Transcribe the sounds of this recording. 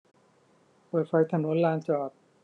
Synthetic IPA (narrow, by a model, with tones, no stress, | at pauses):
pɤː˨˩fʰa˧˥jt̪ʰa˧no˦˥nlaː˧nt͡ɕɔː˨˩t̚